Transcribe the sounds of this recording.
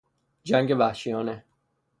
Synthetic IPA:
d͡ʒæŋɡe̞væhʃijɒːne

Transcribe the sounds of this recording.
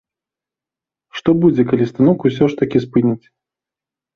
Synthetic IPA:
ʂt̪ɔbud͡zʲɛkalʲist̪anɔkus̬ʲɔʂt̪ɐkʲispɨnʲit͡sʲ

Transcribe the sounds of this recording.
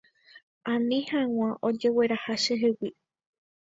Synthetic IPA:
ãnĩhãw̃ãʔod͡ʒe̞we̞ɾahaʃeɦewi

